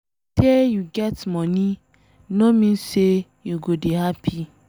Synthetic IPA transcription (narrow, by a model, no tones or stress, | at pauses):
tejuɡɛtmɔni | nomĩse | juɡobihapʰi